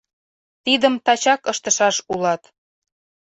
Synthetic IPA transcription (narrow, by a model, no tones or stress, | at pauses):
t̪id̪əmt̪ɑt͡ɕɑkɤʃt̪ə̆ʃɑʃulɑt̪